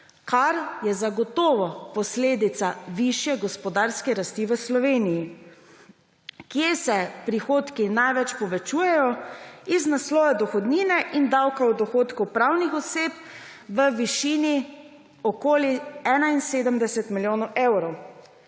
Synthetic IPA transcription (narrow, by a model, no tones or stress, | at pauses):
kaɾjɛzaɡɔt̪ɔːʋɔpɔsleːd̪it̪saʋiʃjɛɡɔspɔd̪aɾskɛɾast̪iʋəslɔʋeːniji | kjesɛpɾixoːt̪kinajʋɛt͡ʃpɔʋɛt͡ʃuːjɛjɔiznaslɔːʋɛd̪ɔxɔd̪niːnɛʔind̪awkawd̪ɔxoːt̪kupɾawnixɔseːp | ʋəʋiʃini | ɔkoːliɛːnainseːd̪əmd̪ɛsɛt̪miljoːnɔʔewɾɔw